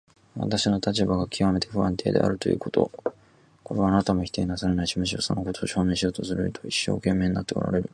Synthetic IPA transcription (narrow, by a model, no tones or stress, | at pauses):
βa̰t̪aɕino̞t̪at͡ɕibaɡakʲʰiβame̞t̪ʰe̞ɸɯ̟βãnt̪ʰe̞ːd̪e̞̰ʔa̰ɾɯ̟t̪o̞jɯ̟̰ːko̞t̪o̞̰ | ko̞ɾe̞βaːnat̪amoçi̥t̪eːinasaɾe̞naiɕimɯ̟ɕ̬ioso̞̰noko̞t̪ʰo̞ːɕo̞ːnẽɕijo̞ːt̪o̞sɨɾɯit̪ʰoiɕːo̞̰ːkẽ̞mːe̞ːɲinat̪ːeo̰ɾa̰ɾe̞ɾɯ̟